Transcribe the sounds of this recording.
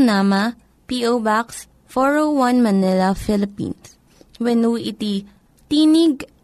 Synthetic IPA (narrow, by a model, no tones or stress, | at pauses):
nama | piʔowbaks | fɔɹowwanmɐnɪlafɪlɪpḭns | wɛnuʔɪt̪i | t̪iːnɪɡ̚